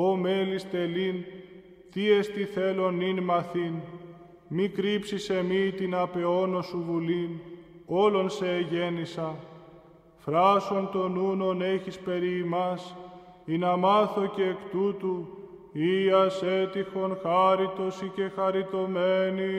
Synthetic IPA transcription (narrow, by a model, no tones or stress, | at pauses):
ome̞list̪e̞lin | t̪iest̪iθe̞lo̞ninmɐθin | mikɾipsise̞mit̪inɐpe̞o̞no̞suvulino̞lo̞nse̞ːʝe̞nisɐ | fɾɐso̞nt̪o̞nuno̞ne̞çispe̞ɾiːmɐs | inɐmɐθo̞ce̞ːkt̪ut̪uiɐse̞t̪ixo̞nxɐɾit̪o̞sice̞xɐɾit̪o̞me̞ni